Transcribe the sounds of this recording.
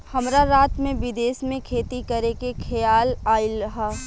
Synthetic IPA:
hɐmɾaɾaːt̪mẽʋɪd̪eːsmẽkʰeːt̪ikɐɾekekʰɐjaːlaːilɦa

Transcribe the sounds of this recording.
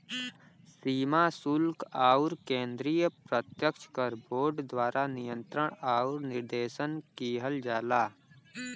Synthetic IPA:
siːmasʊlkaːuɾkẽːnd̪ɾijəpɾət̪jəkʃʰkəɾboːɾɖd̪waːɾʔanɪjə̃nt̪ɾəɽ̃aːʊɾnɪɾd̪eːʃənkiːɦəld͡ʒaːlaː

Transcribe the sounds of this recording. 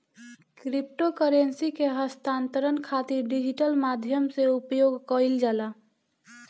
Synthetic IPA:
kɾip̚ʈokəɾensikeɦəst̪aːnt̪əɾənkʰat̪iɾɖid͡ʒiʈəlmad̪ʱjəmseupjoɡkəild͡ʒaːla

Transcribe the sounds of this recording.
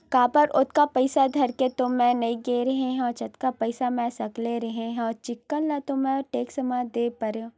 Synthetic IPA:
kãːpɐɾʊt̪̚kapɐɪsad̪ʱɐɾket̪omɛ̃nɐĩɡeːɾɐɦeɦɛ̃ɔt͡ʃɐt̪kapɐɪsamɛ̃sɐkleɾɐɦeɦɛ̃ɔt͡ʃɪkːəlːɛ̃t̪omɛ̃ɔɾʈeːksɐmaːd̪eːpɐɾẽ

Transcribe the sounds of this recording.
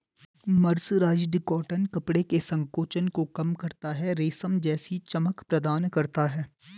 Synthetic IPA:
mɐɾsɾaːd͡ʒɖɪkɔːʈənkɐpɽekesɐ̃ŋkoːt͡ʃənkokɐmkɐɾt̪aɦɛɾeːsəmd͡ʒɛːsit͡ʃɐməkpɾɐd̪aːnkɐɾt̪aɦɛː

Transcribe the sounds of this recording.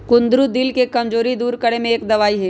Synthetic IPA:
kʊ̃nd̪ɾud̪ɪlkekɐmd͡ʒoːɾid̪uːɾkɐɽemẽeːkd̪ɐʋaːiɦɛː

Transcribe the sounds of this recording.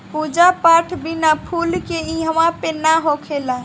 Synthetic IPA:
pud͡ʒapaʈʰbinapʰulkeĩɦəʋãpenaɦokʰelã

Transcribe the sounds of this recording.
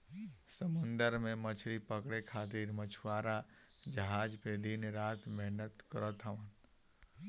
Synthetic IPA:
səmənd̪əɾmẽmət͡ʃʰɽipəkɽekʰaːt̪iɾmət͡ʃʰuwaːɾa | d͡ʒəɦaːd͡ʒped̪inɾaːt̪mɛɦnət̪kəɾət̪ɦəʋən

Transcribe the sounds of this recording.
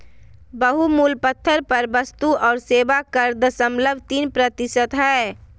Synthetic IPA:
bəɦumuːlpət̪ʰːəɾpəɾbəst̪uɔːɾseːʋakəɾd̪əsəmləbʱt̪iːnpɾət̪ɪsət̪ɦɛː

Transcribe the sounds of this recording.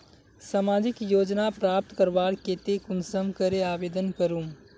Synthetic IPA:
saːmaːd͡ʒɪkjoːd͡ʒnapɾaːp̚t̪kəɾʋaːɽkeːt̪ekʊnsəmkəɾeaːʋeːd̪ənkəɾũː

